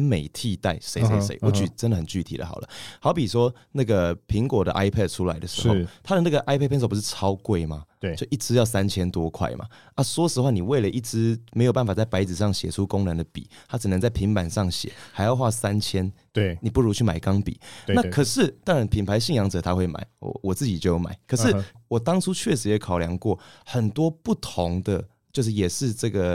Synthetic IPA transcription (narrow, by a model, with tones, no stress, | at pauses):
me˨˩ɪt̪ʰi˥˧t̪a˥˩ɪʂe˧˦se˧˦ɪsḛ˧˦ɪwɔ˧˦t͡ɕy˨ʈ͡ʂə˦ndə˩hə˨˩nt͡ɕy˥˩t̪ʰḭ˨˩d̪ə̰˦xɑ̰˨˩ʊlə̰˦hɑ˧˥ʊpi˨˩ʂwɔ˦ | na˥˩ɡə˩pʰi˧˥ŋkwɔ˨˩d̪ə̰˨ʔa˥ɪpʰɛ˥˩d̚ʈ͡ʂʰu˦la˧˦ɪd̪ə˨ʂ̩˧˥xo˥˧ʊt̪ʰa˥d̪ə˨na˥˩ɡə˩ʔa˥ɪpʰɛ˥˩˧pʰso˥˩pu˧˦ʂ̩˥˩ʈ͡ʂʰɑ˥ʊkwe˥˩ɪma˨˧jo˥˩ʔi˥˩ʈ͡ʂɻ̩˥jɑ˥˩ʊsa˦˥nt͡ɕʰjɛ˥nt̪wɔ˦kʰwa̰˥˩ɪmʔa̰˨˩ | ʔa˥swɔ˥ʂ̩˧˥xa˥˩ni˨˩we˥˩ɪlə˨˩ʔi˥˩ʈ͡ʂɻ̩˥me˧˥ɪjo˨˩pa˥˩fa˨˩t͡sa˥˩ɪpa˧˥ɪt͡sɹ̩˨˩ʂɑ˥˩ŋɕjɛ˨˩ʈ͡ʂʰu˦ko˥˦ŋnə˧˦nd̪ə˨pḭ˨˩˦t̪ʰa˦˥ʈ͡ʂ̩˨nə˧˦ŋt͡sa˥˩ɪpʰi˧˥ŋpa˨˩nʂɑ˥˩ŋɕjɛ̰˨˩˦ha˧ɪjɑ˥˧ʊxwa˥˧sa˦˥nt͡ɕʰjɛ˥n | ni˨pu˥˩ɻu˧˥t͡ɕʰy˥˩ma˨˩ɪkɑ˦ŋpḭ˨˦na˥˨kʰɤ˨˩ʂɻ̩˥˩t̪ɑ˥ŋɻa˧˦npʰi˨˩npʰa˧˥ɪɕi˥˩ŋjɑ˧˥ŋʈ͡ʂɤ˨˩t̪ʰa˦xwe˥˩ɪma̰˨˦ɪɔ̰˧˨˦wɔ˨˩t͡sɹ̩˥˩t͡ɕi˨˩t͡ɕjo˥˩ʊ˧˥˩ma̰˨˩˦ɪkʰə˨˩ʂɻ̩˥˩wɔ˨˩t̪ɑ˥ŋʈ͡ʂʰu˥t͡ɕʰɥɛ˥˩ʂɻ̩˧˥jɛ˨˩kʰɑ˨˩ʊljɑ˧˦ŋkwɔ˥˩hə˨˩nt̪wɔ˥pu˥˩t̪ʰo˨˧˦ŋd̪ə˨ | t͡ɕjo˥˧ʊʂ̬ɻ̩˥˩jɛ˨˩ʂɻ̩˥˧ʈ͡ʂɤ˥˩ɡə˩